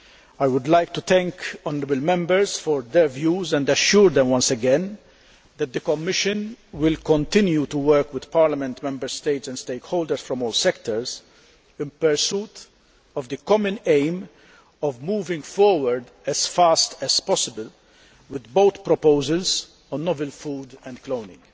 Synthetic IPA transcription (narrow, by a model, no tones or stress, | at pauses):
ajwʊd̪lajk̚t̪ut̪ɛ̃ŋkɔnəɾəbəlmɛ̃mbəɾsfɔɾd̪ɛɾvjuːzɛ̃nd̪ɐʃuːɾd̪ɛ̃mwʌ̃nsɛɡɛ̃n | d̪ɛt̪̚d̪ɨkɔmːɪʃɨ̃nwɪlkɔ̃nt̪ɪ̃njut̪uwɜɾkwɪd̪̥paːɾlɐmɛ̃nt̪mɛ̃mbəɾst̪eɪt̪sɛ̃nd̪st̪eɪkhoːld̪əɾsfɾɔ̃mɔːlsɛkt̪ɔɹz | ɪ̃npɛɾsuːt̪ | ɔvd̪ɨkɔmə̃nẽɪm | ɔvmuːvɪ̃ŋɡfɔɾwəɾd̪ | ɛz̥fast̪ɛz̥pɔsɪbəl | wɪd̪boʊt̪pɾɔpoʊzəlz | ɔ̃nːɔvəlfuːd̪ɛ̃nd̪kloʊnɪ̰̃ŋɡ